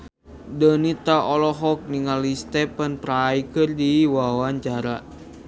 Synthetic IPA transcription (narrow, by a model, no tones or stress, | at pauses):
dənit̪aɔlɔɦɔk̚niŋalist̪ɛpənpɾaikɨrdiwawaɲt͡ʃaɾa